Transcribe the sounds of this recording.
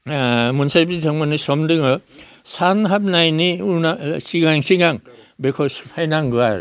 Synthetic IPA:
munsajbidʱaŋmɔnisɔmdɯŋɯ | sanɦab̚najniunasiɡaŋsiɡaŋbekʰɔspʰajnaŋɡɯaɾ

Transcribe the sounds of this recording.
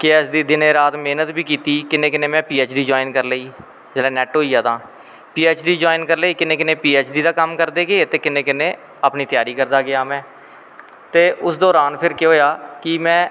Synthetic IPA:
kɪɛːsd̪iːd̪ɪnẽːɾaːt̪meːnət̪bʱiːkiːt̪iːkɪnẽːkɪnẽːmɛ̃ːpiːɛːt͡ʃɖiːd͡ʒaːɪnkəɾləiː | d͡ʒɛːlaːnɛːʈɦoːiːaːd̪ãː | piːɛːt͡ʃɖiːd͡ʒoːɪnkəɾleiːkɪnẽːkɪnẽːpiːɛːt͡ʃɖiːd̪aːkəmkəɾd̪eːɡeeːt̪eːkɪnẽːkɪnẽː | aːpniːt̪ɪjaːɾiːkəɾd̪aːɡɪjaːmɛ̃ː | t̪eːʔʊsd̪oːɾaːnpʰɪɾkɪɦoːjaːkɪmɛ̃ː

